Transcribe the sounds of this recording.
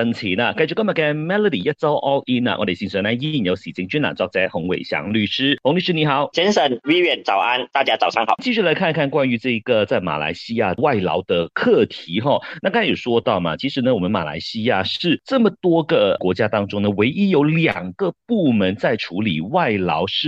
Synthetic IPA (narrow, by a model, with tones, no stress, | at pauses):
ə˧˥ŋt͡ɕʰi˧˥nɐ˨ka˥ɪt͡ɕy˥˩kə˥ma˨˩ka˥mɛ˥lə˧˩d̪ḭ˨˩ja˥t͡so˥ʊʔɔ˥ʊʔi˥na̰˨ʔɔ̰˧˥d̪e˨˩ɕi˧˥ŋʂə˧˥na˥ni˥˨˩jo˧˥ɕi˨˩t͡ɕi˧˥ŋt͡ɕy˥nla̰˨˩nʈ͡ʂɑ˥˧ŋ̚t͡sa˥ɪxʊ˧˥ŋwḛ˨˩ɪɕjɑ̰˧˥ŋly˥˩ʂɻ̩˥xʊ˧˥ŋly˥˧˩ʂɻ̩˥ni˧˥xɑ˨˧˦ʊt͡ɕʰɛ˧˥nʂə˨˩˦nwi˥ɥɛ˥˩nt͡sɑ˨˩ʊʔa˥nt̪a˥˨t͡ɕja˥t͡sɑ˨ʊsʰŋxɑ̰˨˩˦t͡ɕi˥˧ɕy˥˩la˧˥ɪkʰa˥˧nkʰa˥˧nkwa˥ny˧˥ʈ͡ʂɤ˥˩i˧˥ɡə˨t͡sa˥˩ɪma̰˨˩la̰˧˥ɪɕi˥ja˥˧wa˥˩ɪlɑ̰˧˥ʊd̪ə˧kʰɤ˥˩t̪ʰi˧˥xɔ˥˧na˥˩kjo˨˩ʂwɔ˥t̪ɑ˥˩ʊmɐ̰˩t͡ɕʰi˧˥ʂɻ̩˧˥nə˧wɔ˨˩mə˦nma̰˨˩la̰˧˥ɪɕi˥ja˥˧ʂɻ̩˥˩ʈ͡ʂɤ˥˩mə˩t̪wɔ˥ɡə˨kwɔ˧˥t͡ɕja˥t̪ɑ˥ŋʈ͡ʂʊ˥ŋnə˨we˧˥ɪʔi˥jo˧˥ʊljɑ˨˩ŋɡ̥ə˧pu˥˩mə˧˥nt͡sa˥˩ɪʈ͡ʂʰu˧˥lḭ˨˩wa˥˩ɪlɑ̰˧˥ʊʂɻ̩˥˩